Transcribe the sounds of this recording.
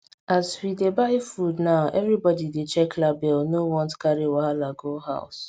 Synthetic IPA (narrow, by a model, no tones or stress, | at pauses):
azwidebaɪefudnaʊʔɛvɾibɔdidet͡ʃɛklabɛlnowɔ̃ntkaɾiwaɦalaɡoɦa̰ʊs